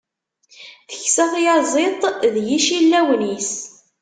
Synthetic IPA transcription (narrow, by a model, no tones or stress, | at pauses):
θə̥çsæfjɑzˤet̪ˤðjiʃilːæwnis